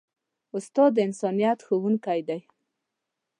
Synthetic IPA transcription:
ʊst̪ɑd̪ːəɪnsɑnijɑt̪xəwuŋkajd̪aj

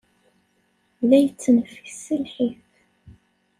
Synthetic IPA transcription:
ðæjət͡sːənəfəçsəlħiθ

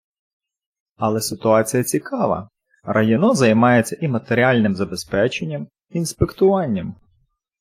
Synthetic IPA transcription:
ɐlˠɛsɪt̪ʊɑt͡sʲijɐt͡sʲikɑʋɐ̰ | rɐjɔnɔzɐjmɑjet͡sʲːɐʔimɐt̪eɾʲiɑlʲnɪmzɐbe̞spɛt͡ʃe̞nʲːɐm | inspekt̪ʊʋɑnʲːɐm

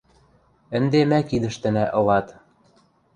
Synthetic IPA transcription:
ə̆nd̪emækid̪ɘ̆ʃt̪ɘ̆næʔɤ̆lɑt̪

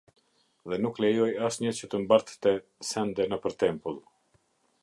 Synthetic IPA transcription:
ðɛnuklɛjɔjasɲət͡ɕət̪əmbaɾt̪t̪ɛ | sɛnd̪ɛnəpəɾt̪ɛmpəlˠ

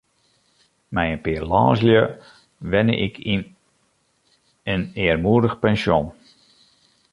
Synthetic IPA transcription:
mɛjənpɪːrlɔ̰ːsljə | ʋɛnə̰ʔɪkʰin | ənɪːərmuədəxpɛnsjon

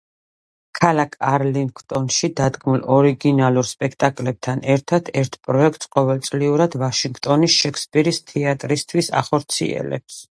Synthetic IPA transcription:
kʰalakʰaɾliŋkʰt̪ʼɔnʃid̪ad̪ɡmulˠɔɾiɡinalˠuɾspʼɛkʰt̪ʼakʼlɛb̚t̪ʰanɛɾt̪ʰat̪ʰɛɾt̪ʰpʼɾɔɛk̚ʰt̪ʼsqʼɔvɛlt̪sʼliuɾad̪̥vaʃiŋɡt̪ʼɔnisʃɛkʰspʼiɾist̪ʰɛat̪ʼɾist̪ʰwisa̰χɔɾt̪sʰḭɛ̰lɛ̰ps

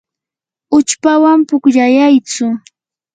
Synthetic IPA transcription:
ʊt͡ʃpawampʊkjajajt͡sʊ

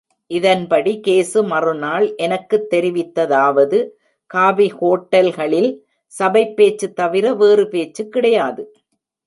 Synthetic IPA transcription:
ʔɪðɐnpɐɽikeːsɯmɐrɯnaːlʔɛnɐkːɯt̪ːɛɾɪʋɪt̪ːɐðaːʋɐðɯ | kaːbihoːʈːɐlɣɐɭɪl | sɐbɐɪpːeːt͡ʃːɯt̪ːɐʋɪɾɐʋeːrɯpeːt͡ʃːɯkːɪɽɐjaːðɯ

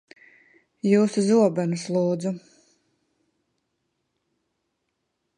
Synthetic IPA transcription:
juːsuzuɔbænuslˠuːd̪zu

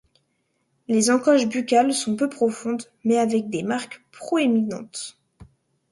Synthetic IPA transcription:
lezɑ̃kɔʃbykʲalsɔ̃pøpχɔfɔ̃d̪ | mɛavɛk̚d̪emaʁkpχɔeminɑ̰̃t̪

